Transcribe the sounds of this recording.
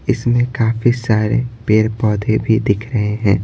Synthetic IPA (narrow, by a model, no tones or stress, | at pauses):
ɪsmẽkaːfisaːɾḛpeːɾpɔːd̪ʱebʱid̪ɪkʰɾɐɦeɦɛ̃ː